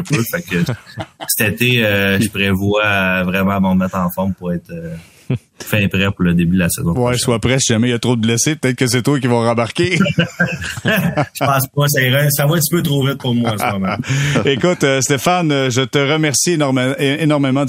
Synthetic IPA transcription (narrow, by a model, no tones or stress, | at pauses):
pøfakəsɛ̥t̪et̪eøʒəpʁevwavʁɛmãmə̃ʁmɛt̪χɑ̃fɔʁmpuʁɛɪt̪ə | fɛ̃pʁɛpuʁləd̪ebyd̪lasəzɔ̃wɛswapʁɛsiʒamɛiljət̪ʁod̪əblɛsepət̪ɛɪt̪̚kəs̬ɛt̪wak̬ʲivɔ̃ʁəbaʁkʲe | ʒ̥əpɑ̃ːspɔs̬aiʁɛsavoɛ̃t̪i̥pøt̪ʁovɪt̪̚pʊʁmwaaɑ̃smɔmãekʊt̪øst̪efanøʒət̪əʁəmɛʁsinʁmenɔʁmemɑ̃